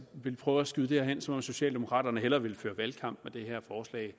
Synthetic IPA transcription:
ʋe̝lpʰʁœːʊæsɡ̥yðˠd̥eæɐɦen̰sɒ̽mɒ̽mso̝ɕɛ̰ːld̥e̝mo̝kʰʁɑ̰̈ːd̥ɐnəɦelɐʋe̝lføːɐʋælkʰɑ̈m̰b̥med̥e̝ɦeɐ̰fɒːslɛ̰ːɪ

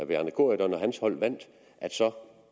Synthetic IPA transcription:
ʋeænəkʰo̝ɐid̥ɒ̽nɒ̽ɦænshɒ̽l̰ʋæn̰d̥ | ʔæd̥sɒ̽

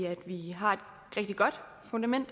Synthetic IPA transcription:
æd̥ʋiɦɑ̈ed̥ | ʁɛɡ̥̚d̥iɡ̥ɒ̽d̥ | fond̥æmen̰d̥

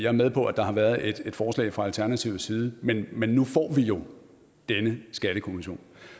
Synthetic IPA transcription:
jɑ̈æɐmeð̞ˠpʰɒ̽ʔæd̥ɑ̈hɑ̈ʋæːɐðˠe̝d̥e̝d̥fɒːslɛ̰ɪfʁɑ̈ælt͡sʰæɐnæt͡sʰiʊsiːð̞̩ˠəmenmenːufɒ̰ːʋijo̝ | d̥enəsɡ̥æɾ̥əkʰo̝miɕo̝̰ːn

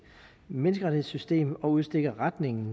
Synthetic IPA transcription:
menəsɡ̥ɐʁɑ̈i̥he̝ðˠsysd̥e̝̰ːmɒ̽uð̞ˠsd̥e̝ɡ̥ɐʁad̥ne̝ŋn̩

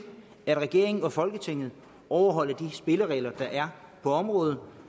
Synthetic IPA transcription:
æd̥ʁɛɡ̥e̝ɐ̰e̝ŋn̩ɒ̽fɒ̽lɡ̥ət͡sʰe̝ŋ̰ð̞̩ˠ | ɒʊɐɦɒ̽l̰ɐd̥isb̥e̝ləʁɛ̰ːlɐd̥ɑ̈ʔæɐ | pʰɒ̽ɒ̽mʁɔ̽ːð̩ˠ

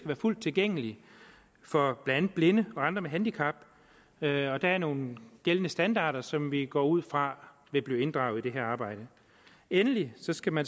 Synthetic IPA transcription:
ɡ̥æʋæːɐful̰d̥̚t͡sʰe̝lɡ̥eŋ̰əli | fɒ̽b̥lææn̩ˠb̥le̝nəɒ̽ɑ̈nd̥ʁɐmeɦænd̥ikʰɑ̈b̥ | ɒ̽d̥ææɐno̝ːn̩ɡ̥elənəsd̥ænd̥ɑ̰̈ːɾ̥ɐsɒ̽mʋiɡ̥ɒ̰ːuð̰ˠfʁɑ̈ | ʋe̝b̥liːe̝nd̥ʁɑ̈ʊð̩ˠid̥e̝ɦeɐ̰ɑ̈ːb̥ɑ̈ɪ̰ɾ̥ə | enəlisɒ̽sɡ̥æmæn

